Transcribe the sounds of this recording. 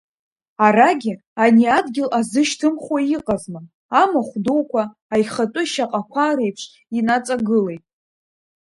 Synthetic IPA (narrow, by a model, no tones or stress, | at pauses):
aɾaɡʲɪ | aniadɡʲɪlʔazɨʃtʰɨmχwaiqʼazma | amaχʷdowkʷʰaː | jχatʼʊʃaqʼakʷʰaɾejpʰʂʷ | inat͡sʼaɡɨle̞jtʼ